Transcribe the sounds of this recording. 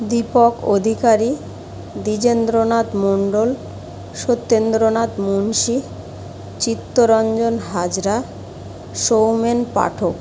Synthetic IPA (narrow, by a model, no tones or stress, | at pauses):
d̪ipokod̪ʱikaɾi | d̪id͡ʑend̪ɾonat̪moɳɖol | ʃot̪ːend̪ɾonat̪munʃi | t͡ɕit̪ːoɾɔnd͡ʑonɦad͡ʑɾa | ʃowmenpa̰ʈʰok